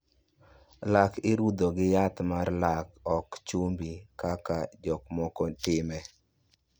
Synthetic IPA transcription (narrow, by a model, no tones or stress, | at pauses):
lakɪɾud̪oɡɪjat̪marlakɔkt͡ʃumbikakad͡ʒɔkmɔkɔtɪmɛ